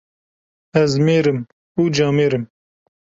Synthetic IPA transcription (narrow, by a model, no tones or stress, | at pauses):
ɛzmeːɾɨm | uːd͡ʒɑːmeːɾɨm